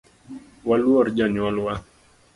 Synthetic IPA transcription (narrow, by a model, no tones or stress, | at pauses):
waluaɾd͡ʒaɲwaluwa